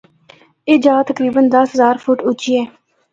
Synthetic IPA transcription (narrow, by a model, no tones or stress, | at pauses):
eːd͡ʒaːt̪əkɾiːbənd̪əsɦəzaːɾpʰʊʈʊt͡ʃiːɛː